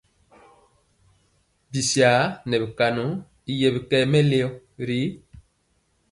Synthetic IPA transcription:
bi˨si˨a˨˦nɛ˨bi˨ka˨nu˨˦ | i˨jɛ˨bi˨kɛ˦mɛ˦le˦ɔ˦ | ɾi˦

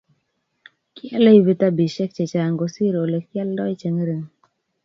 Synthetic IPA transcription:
kjɛ˦le˦i˦wi˦t̪a˦bi˨ʃe˦k̚t͡ʃe˨t͡ʃa˨ŋɡo˨si˦ɾo˨le˨kjɛ˦ldɔ˦i˦t͡ʃe˨ŋ˦ɾe˨ŋ

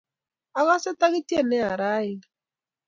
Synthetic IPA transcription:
a˨ɣa˦sɛ˦ta˦ɣi˦tje˦˨nɛ˦a˨ɾa˦ɪ˨

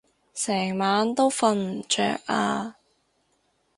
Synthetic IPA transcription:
sɛː˨˩ŋmaː˨˧nt̪o˥wfɐ˧nm̩˨˩t͡ʃœ̰ː˨˩k̚ʔaː˧

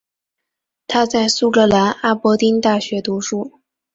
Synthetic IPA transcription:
t̪ʰa˥t͡sa˥˩ɪsu˥˩kɤ˥˩la˧˥na˥˩pwɔ˧˥t̪i˥nt̪a˥˩ɕɥɛ˧˥t̪u˧˥ʂu˥˩

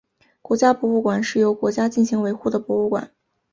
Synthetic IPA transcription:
kwɔ˧˥t͡ɕja˥pwɔ˧˥u˥˩kwa˨˩nʂɻ̩˥˩jo˧˥ʊkwɔ˧˥t͡ɕja˥t͡ɕi˥˩nɕi˧˥ŋwe˧˥ɪxu˥˩d̪ə˩pwɔ˧˥u˥˩kwa̰˨˩˦n

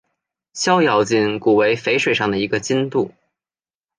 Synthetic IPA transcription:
ɕjɑ˥ʊjɑ˨˩ʊt͡ɕi˥˩nku˨˩we˧˥ɪfe˧˥ɪʂwe˨˩ɪʂɑ˥˩ŋd̪ə˩i˧˥ɡə˧t͡ɕi˥nt̪u˥˩

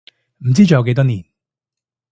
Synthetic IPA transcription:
m̩˨˩t͡siː˥t͡ʃɔ˨˧jɐ˧wke˧jt̪̬ɔː˥niː˨˩n

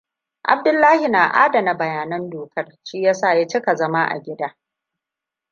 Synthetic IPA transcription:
ʔa̰˨b̚dʊ˦lːaː˦hi˨naː˨ʔa̰ː˦da˨na˦bɐ˨jaː˨nɐ˦ndoː˨kɐ˦rʃiː˦ja˦saː˦˨ja˦t͡ʃɪ˦ka˨zɐ˦ma˦ʔa̰˨ɡʲɪ˦daː˦

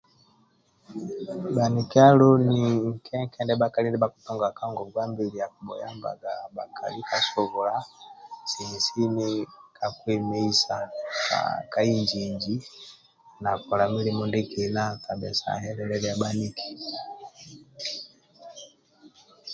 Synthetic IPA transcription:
ba˨ni˨kia˦lɔ˦ni˨ŋ̩˨kʰɛ˦ŋkʰɛ˨ndɛ˦ba˦ka˨lindɛ˦ba˦ku̥tɔ˦ŋɡa˨ka˦ŋɡɔ˨ɡwa˦mbi˨li˨ja˨ku˨ɓɔ̰˨ja̰˦mba̰˨ɡa˨ɓa̰˨kʰa̰˨li˦ka˦sɔ˦vɔ˨la˦si˨ni˨si˦ni˦ka˨kwɛ˨mɛ˦i˦sa˨ka̰ka˦i˦ɲd͡ʒiɲd͡ʒi˦ | na˨kɔ˨la˨mi˦li˦mu˨ndi˦kina˦ka˨ɓɛ˨sa̰˨ɦɛ˦lɛlɛlɛ˦a˦ba˦ni˦ki̥˨

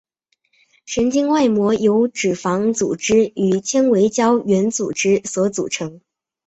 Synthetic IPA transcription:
ʂə˧˥nt͡ɕi˥ŋwa˥˩ɪmwɔ˧˥jo˧˥ʊʈ͡ʂɻ̩˨˩fɑ˧˥ŋt͡sṵ˨˩ʈ͡ʂɻ̩˥y˨˩t͡ɕʰjɛ˥nwe˧˥ɪt͡ɕjɑ˥ʊɥɛ˧˥nt͡sṵ˨˩ʈ͡ʂɻ̩˥swɔ˧˥t͡sṵ˨˩ʈ͡ʂʰɤ˧˥ŋ

